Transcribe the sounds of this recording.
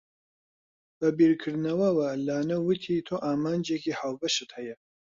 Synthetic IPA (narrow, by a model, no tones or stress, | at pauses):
b̥ɐbiːɾkʰɨɾd̪nɐwɐwɐlaːnɐwɨt̪ʰiːt̪ʰoːʔaːmaːnd͡ʒekiːhaːwbɐʃɨt̪hɐjɐ